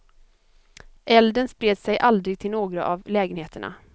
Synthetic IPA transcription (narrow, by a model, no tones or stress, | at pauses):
ʔɛld̪ənspɾeːd̪sɛjʔald̪ɾɪɡ̚t̪ʰɪlnoːɡɾa̰ʔavlɛːɡənheːt̪əɳa̰